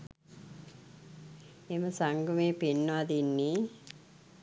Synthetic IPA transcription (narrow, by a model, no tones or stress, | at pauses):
eməsaŋɡumeːpenːɐad̪inːi